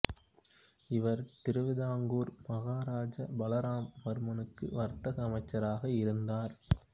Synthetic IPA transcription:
ɪʋɐɾt̪ɪɾɯʋɪðaːŋɡuːɾmɐɣaːɾaːd͡ʒɐbɐlɐɾaːmʋɐɾɯmɐnɯkːɯ̰ʋɐɾt̪ɐɣɐːmɐɪt͡ʃːɐɾaːɣɐɪɾɯnd̪aːɾ

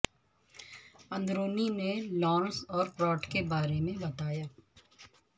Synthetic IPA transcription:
ɐ̃nd̪ɾoːninelɔːnsɔːɾpɾɔːʈkebaːɾemẽbɐt̪aːjaː

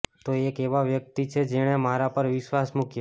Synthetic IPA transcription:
t̪oekeʋaʋjək̚t̪it͡ʃʰed͡ʒeɽ̃emaɾapəɾʋɪʃʋasmukja

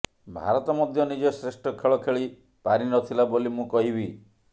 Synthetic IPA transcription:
bʱa̰ɾɔt̪ɔmɔd̪ʱjɔnid͡ʒɔsɾesʈɔkʰeɭɔkʰeɭi | paɾinɔt̪ʰilabolimũkɔɦibi

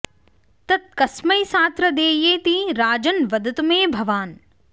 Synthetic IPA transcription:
t̪ɐt̪̚kɐsməjsaːt̪ɾəd̪eːjeːt̪iːɾaːd͡ʒənʋɐd̪ʱɪt̪mẽːbʱɐʋaːn

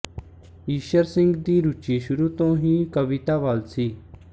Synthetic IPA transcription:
iːʃəɾsɪ̃ŋɡd̪iːɾut͡ʃiːʃʊɾuːt̪õːɦĩːkəʋɪt̪aːʋaːlsiː

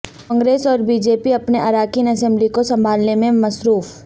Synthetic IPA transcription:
kɔ̃ːŋɡɾeːsɔːɾbiːd͡ʒeːpiɐpneʔɐɾaːkiːnɐsɛ̃mblikosɐ̃mbʱaːlnemẽmɐsɾuːf

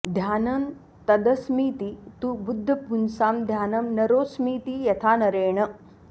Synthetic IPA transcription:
d̪ʱjaːnɐm | t̪ɐd̪ɐsmiːt̪it̪ubud̪ʱːɐpunsaːmd̪ʱjaːnɐmnɐɾoːsmiːt̪ijɐt̪ʰaːnɐɾeːɳɐ

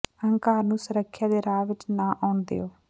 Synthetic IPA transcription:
əŋkaːɾnũːsəɾəkʰːjaːd̪eːɾaːʋɪt͡ʃnaːʔaːʊnd̪ḛːoː

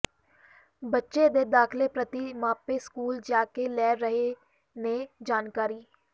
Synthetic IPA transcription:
bətːʃeːd̪eːd̪aːkʰleːpɾət̪iːmaːpeːskuːld͡ʒaːkelɛːɾəɦe | neːd͡ʒaːnkaːɾiː

